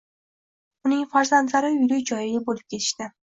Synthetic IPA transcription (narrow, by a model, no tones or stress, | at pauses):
ʊnɪŋfaɾzant̪laɾɪʊjlɪkʲd͡ʒɒjɪɡʲabolɪp̚kʲʰe̞t̪ʰɪ̥ʃt̪ɪ